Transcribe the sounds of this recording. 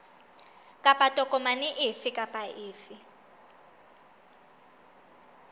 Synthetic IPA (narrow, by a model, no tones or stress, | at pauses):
kʼapʼatʼɔkʼɔmaniʔɪfikʼapʼaɪːfi